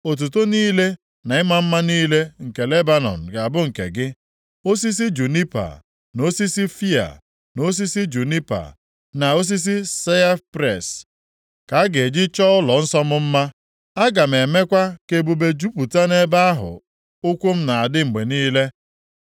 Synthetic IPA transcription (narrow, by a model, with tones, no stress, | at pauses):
o˨t̬u˨to˦niː˦le˦ | na˨ɪ˦ma˦m̩˦ma˦niː˦le˦ŋ̩˨ke˨le˦ba˦nɔ̰˨n̩˨ɡa˨bʊ˦ŋ̩˨kḛ˨ɡɪ˦ | o˦s̬i˦s̬i˦d͡ʒu˨ni˦pa̰˨ | no˦si˦si˦fi˦a̰˨ | no˦s̬i˦si˦d͡ʒu˨ni˦pa̰˨ | na˨o˦s̬i˦s̬i˦se˦a˦pɾe˨s | ka˨a˦ɡe˨d͡ʒi˦t͡ʃɔ˦ʊ˦lɔ˨n̩˦sɔ˦mʊ˦m̩˦ma˦ | a˦ɡa˨m̩˨e˨me˦kʷa˦ke˨bu˨be˦d͡ʒu˦pu˨ta˦ne˦ba˦a˦ɦʊ̰˨ | ʊ˦kʷu˦m̩˦na˨a˨dɪ˦ŋ͡m̩˨ɡ͡be˨niː˦le˦